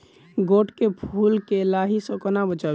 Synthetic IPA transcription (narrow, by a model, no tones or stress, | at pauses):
ɡoːʈkepʰuːlkelaɦisə̃kənabət͡ʃa